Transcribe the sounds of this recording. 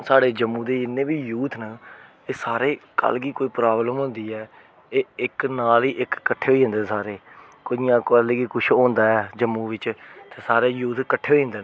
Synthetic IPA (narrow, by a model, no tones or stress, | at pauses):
saːɽeːd͡ʒəmːũːd̪eːɪnːẽːbiːjuːt̪ʰnə | eːsaːɾeːkə̰lɡiːkoːiːpɾaːbləmɦõːnd̪iːɛː | eːɪknaːliːʔɪkːəʈʰːeːɦoiːɦə̃nd̪eːsaːɾeː | koɪjãːkəleːɡiːkʊʃʰõːnd̪aːɛːd͡ʒəmːũːʋɪt͡ʃt̪eːsaːɾeːjuːt̪kəʈʰːeːɦoiɦnd̪eː